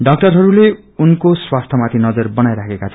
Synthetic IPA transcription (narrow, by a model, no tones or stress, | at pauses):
ɖʌk̚ʈʌrɦʌɾule | unkoswast̪ʰʌmat̪ʰinʌd͡zʌrbʌnajɾakʰekat͡sʰʌ